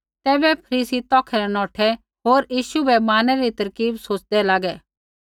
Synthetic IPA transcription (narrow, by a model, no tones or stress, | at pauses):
t̪ɛːbɛpʰɐɾiːsit̪ɔːkʰɛɾɛnɔːʈʰɛ | ɦoːɾjiːʃubɛmaːnɛɾit̪ɐɾkiːbsoːt͡ʃd̪ɛlaːɡɛː